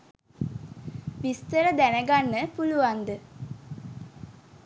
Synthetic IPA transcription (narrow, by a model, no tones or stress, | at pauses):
ʋist̪əɾəd̪ænəɡanːəpuluʋand̪ə